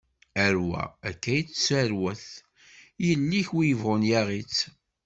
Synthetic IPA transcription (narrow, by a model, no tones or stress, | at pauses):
æɾwæ̰ækːæjət͡sːsæɾwæθ | jəlːiçwijəvʁʊnjæʁit͡s